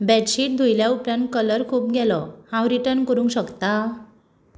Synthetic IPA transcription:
bɛʈɕiːʈ̚d̪ʱujljaupɾãnkələɾkʰuːpɡɛlɔhãwɾiʈəɾnkəɾũŋkɕəkt̪a

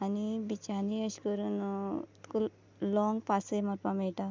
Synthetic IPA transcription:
anibit͡ʃaniəʃkəɾunt̪kul | lɔŋɡpasejmaɾpameʈa

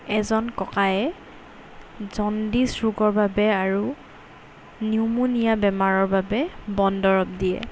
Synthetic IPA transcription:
ɛzɔnkɔkajɛ | zɔndisɹuɡɔɹbabɛaɹu | niumunijabɛmaɹɔɹbabɛbɔndɔɹɔp̚diɛ̰

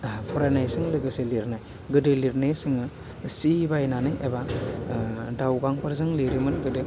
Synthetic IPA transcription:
pʰɔɾajnajsɯŋlɯɡɯseliɾnaj | ɡɯdɯliɾnesɯŋɯ | sibajnanɯjʔeba | dawɡaŋpɯɾzɯŋliɾimɯnɡɯdɯ

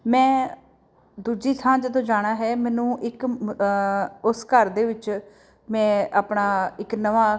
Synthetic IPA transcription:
mɛ̃ː | d̪uːd͡ʒiːt̪ʰãːd͡ʒəd̪õːd͡ʒaːɽ̃aːɦɛːmɛ̃ːnũːʔɪk | ʊskəɾd̪eːʋɪt͡ʃ | mɛ̃ːaːpɳaːɪknəʋaː

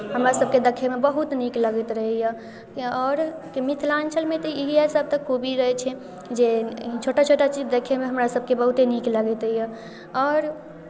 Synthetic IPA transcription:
ɦəmɾasəb̚ked̪əkʰemebəɦut̪nikləɡɛt̪ɾəɦja | ɔːɾkimit̪ʰlant͡ʃəlmet̪ɔiɦiasəb̚t̪əkʰːubiɾəɦɛt͡ʃʰɛ | d͡ʒet͡ʃʰoʈat͡ʃʰoʈat͡ʃid͡ʒd̪ekʰemeɦəmɾasəbkebəɦut̪enikləɡɛt̪ɦija | ɔːɾ

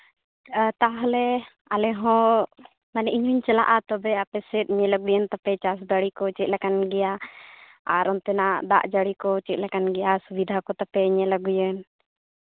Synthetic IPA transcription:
t̪aɦlɛ | alɛɦɔ̃ | manɛʔiɲuɲt͡ʃɛla̰ʔat̪ɔbɛapɛsɛt̪̚ɲɛləɡujənt̪apɛt͡ʃas̬d̪aɽikɔt͡ʃɛt̪̚lɛkanɡɛja | aɾʔɔnt̪ɛnad̪a̰ʔd͡ʒaɽikɔt͡ʃɛt̪̚lɛkanɡɛjasubid̪ʱakɔt̪apɛɲɛlaɡujən

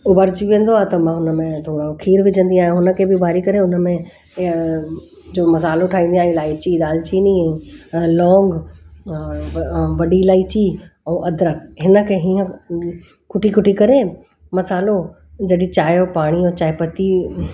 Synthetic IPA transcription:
ʊbaɾd͡ʑiʋiə̃n̆d̪oaːt̪ɐmãːɦʊnəmẽt̪ʰoːɽokʰiːɾbɪd͡ʑə̃nd̪iaːɦjẽɦʊnə̆kʰeːbɪbʱaːɾikɐɾeʊnmẽ | d͡ʑoːmɐs̬aːloʈʰaːɦĩn̆d̪iaːilaːit͡ɕiɗ̪aːlt͡ɕini | lɔːŋɡ | ʋɐɖilaːit͡ɕiːɛ̃ʔɐd̪ɾəkɦɪnə̆kʰeːɦiːə̃ | kʊʈikʊʈʰikɐɾe | mɐsaːlo | d͡ʑɐɗĩt͡ɕaːjopaːɽ̃iõːt͡ɕaːɪpət̪i

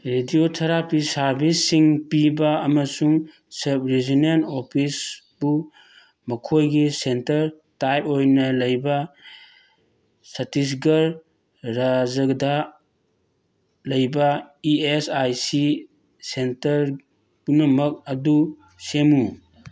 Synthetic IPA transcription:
ɾediotʰɐɾapisaɾbisːiŋpibaːmɐsuŋ | sɐp̚ɾezinenopʰis | b̥u | mɐkʰojɡisentɐɾ | tajp̚ojnɐlɐjba | sɐtis̬ɡɐɾ | ɾazɐɡda | lɐjbaiesajsi | sentɐɾ | bunɐmɐk̚ɐdu | semu

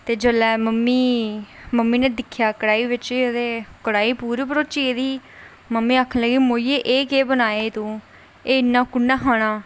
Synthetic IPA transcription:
t̪eːd͡ʒəlɛːməmːiːməmːiːneːd̪ɪkʰːjaːkəɽaːiːʋɪt͡ʃiːət̪eːkəɽaːiːpuːɾiːpəɾoːt͡ʃiːd̪iː | məmːiːaːkʰənləɡiːmoːieːʔeːkeːbənaːeːt̪ũː | eːɪnːãːkʊɳːãːɦaːɽ̃aː

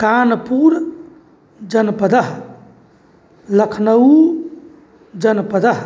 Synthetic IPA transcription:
kanpuɾ | d͡ʒənpəd̪əɦ | ləkʰnəu | d͡ʒənpəd̪əɦ

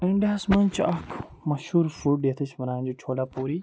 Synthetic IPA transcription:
ɪ̃ɳɖaːsmɐnt͡ʃʰɐkʰmɐʃhuːɾfuɖɗeːt̪ʰəʃʋɐnaːnd͡ʑoːt͡ʃʰoːlaːpuːɾiː

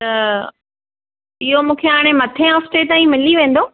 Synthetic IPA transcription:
t̪ɐ | ɪɦomũːkʰeaːɽ̃emɐt̪ʰẽɔːfʈeːt̪aːĩmɪliʋẽːn̆d̪oː

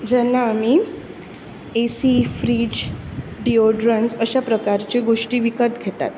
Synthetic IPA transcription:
d͡ʑɛnːaːmi | esifɾiːd͡ʑɖioɖɾənsəɕapɾəkaɾt͡ɕeɡoʂʈiːʋikət̪ɡʱet̪a̰t̪

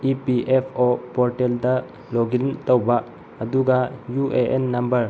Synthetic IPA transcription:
ipiʔepʰɔpɔɾʈɛld̪a | lɔɡint̪ɔwbaʔ | ɐd̪uɡajuʔeʔɛnːɐmbəɾ

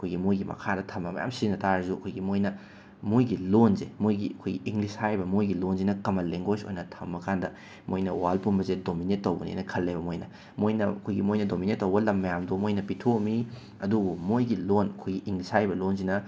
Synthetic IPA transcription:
ɐkʰojɡimojɡimɐ̰kʰadɐtʰɐmːɐmɐ̰ja̰msinɐtaɾɐzuɐ̰kʰojɡimojnɐ | mojɡilonzḛmojɡiɐkʰojɡiʔiŋɡlishajbɐmojɡilonzinɐkɐmɐleŋɡozo̰jnɐtʰɐmːɐkʰandɐ | mojnɐwalpunbɐzet̚dominetːowbɐnḭnɐkʰɐlːebɐmojnɐ | mojnɐɐkʰojɡimojnɐdominetːɐwbɐlɐmːɐjamdomojnɐpitʰomi | ɐduɡumojɡilonɐkʰojɡiʔiŋɡlishajbɐlonzinɐ

